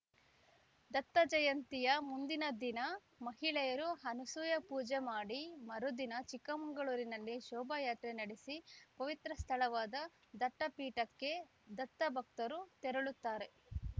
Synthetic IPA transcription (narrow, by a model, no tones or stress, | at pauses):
d̪ɐt̪ːɐd͡ʒɐjɐnt̪ijɐmund̪inɐd̪inɐ | mɐɦiɭɛjɐɾuɦɐnusuːjɐpuːd͡ʒemaːɽimɐɾud̪inɐt͡ʃikːɐmɐŋɡɐɭuːɾinɐlːiʃɔːbɐjaːt̪ɾenɐɽesipɐʋit̪ɾɐst̪ʰɐɭɐʋaːd̪ɐ | d̪ɐʈːɐpiːʈɐkːe̞ | d̪ɐt̪ːɐbʱɐk̚t̪ɐɾut̪ɛɾɐɭut̪ːaːɾe̞